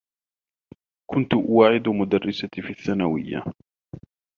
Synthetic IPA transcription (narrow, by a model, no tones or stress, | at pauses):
kʰʊnt̪ʊʔwaːʕɪd̪mʊd̪arːɪsafiʔaθːanawɪjːa̰